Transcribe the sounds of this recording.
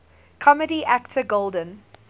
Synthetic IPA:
kʰɔmədiʔæktʰəɡolˠdə̃n

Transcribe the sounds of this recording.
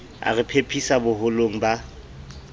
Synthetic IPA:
a̰rɪpʰepʰisabʊɦʊloŋ̩ba

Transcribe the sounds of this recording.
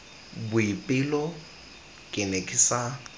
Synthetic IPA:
bʊipʼɪlɔ | kʼɪnekʼɪsa

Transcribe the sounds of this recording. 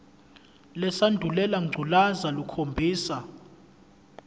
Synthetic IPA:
lɛsandʱulɛlaŋ͡ǀʱulazalukʰombʱiːsa

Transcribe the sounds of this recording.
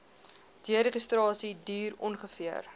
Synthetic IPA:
d̥iəɾəχəstrɑːsidiːrɔnχəfiər

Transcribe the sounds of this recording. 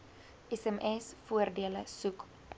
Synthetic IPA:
ɛsɛmɛsfuərdiələsuk

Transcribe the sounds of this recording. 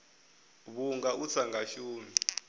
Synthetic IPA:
βuŋɡaut͡sʰaŋɡaʃuːmi

